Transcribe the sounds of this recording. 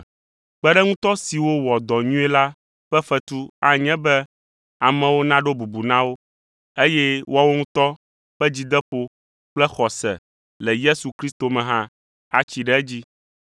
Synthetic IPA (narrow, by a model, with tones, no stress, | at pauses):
k͡pɛ˦ɖɛ˦ŋũ˦t̪ɔ˦si˨wo˦wɔ˨d̪ɔ˨ɲũ˦ɛ˦la˦ | ɸɛ˦ɸɛ˦t̪u˦a˨ɲɛ̃˦bɛ˦ | a˨mɛ̃˨wo˦nã˦ɖo˦bu˨bu˨nã˦wo˦ | e˦jɛ˦wɔ˦wo˦ŋũ˦t̪ɔ˦ | ɸɛ˦d͡ʑi˦d̪ɛ˦ɸo˦ | k͡plɛ˦xɔ˨sɛ̰˨ | lɛ˨je˦su˨kɾi˦st̪o˨mɛ̃˨ɦã˦ | a˦t͡ɕi˨ɖɛ˦ɛ˦d͡ʑi˦